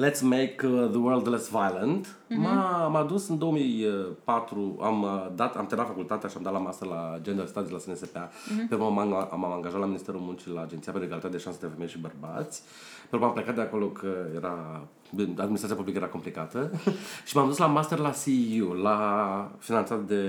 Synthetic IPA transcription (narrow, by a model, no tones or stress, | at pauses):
lɛt̪smekðəwəɾld̪lɛsvajlə̃nd̪ | mamad̪usɨnd̪o̞oəmijəpat̪ɾua̰md̪at̪amt̪eɾat̪fakult̪at̪eaʃiamd̪at̪lamast̪erlad͡ʒend̪əlst̪ad̪ilasenesepea | penɾumamaŋɡaʒat̪laminist̪eɾulmunt͡ʃilaːd͡ʒent̪sijapeɾeɡalit̪at̪ed̪eʃansəd̪efemejʃibərba̰t̪sʲ | peɾukamplekat̪d̪eako̞lo̞kʰəjeɾa | bad̪inisɾaiapublikəeɾako̞mplikat̪əʃimamd̪uslamast̪erlasiulafinant̪sat̪̚d̪e̞